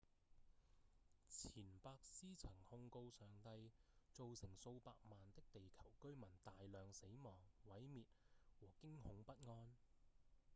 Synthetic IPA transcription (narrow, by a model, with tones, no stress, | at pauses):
t͡sʰiː˨˩npaː˧k̚siː˥t͡sʰɐ˨˩ŋhʊ˧ŋko˧wsœː˨ŋt̪ɐ˧jt͡so˨wsɪ˨˩ŋso˧wpaː˧k̚maː˨nt̪ɪ˥k̚t̪e˨jkʰɐ˨˩wkɵ˥ɥmɐ˨˩nt̪aː˨jlœː˨ŋse˨˥jmɔː˨˩ŋwɐ˨˥jmiː˨t̚wɔː˨˩kɪ˥ŋhʊ˨˥ŋpɐ˥t̚ŋɔː˥n